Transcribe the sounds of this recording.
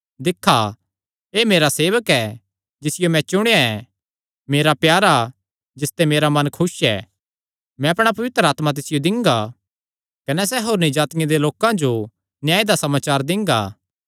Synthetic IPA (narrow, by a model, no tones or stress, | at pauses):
d̪ɪkʰːa | eːmeːɾaseːʋəkɛ | d͡ʒɪsɪjomɛ̃t͡ʃʊɽ̃jaɛ | meːɾapjaːɾa | d͡ʒɪst̪ɛmeːɾamɐnkʰʊsɛ̰ː | mɛ̃ɐpɽ̃apɐʋɪt̪ɾəaːt̪mat̪̬ɪsɪjod̪ɪ̃ŋɡa | kɐnɛsɛɦoːɾnid͡ʒaːt̪ɪjẽd̪eloːkãd͡ʒo | nɪjaːed̪asɐmaːt͡ʃaːɾd̪ɪ̃ŋɡa̰ː